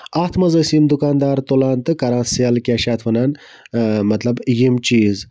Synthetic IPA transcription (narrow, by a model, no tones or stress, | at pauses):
aht̪mɐzɐsimd̪ʊkaːnd̪aːɾt̪olant̪ɨkɐɾansijalkʲaʃat̪fɐnan | mɐt̪labjimt͡ʃiz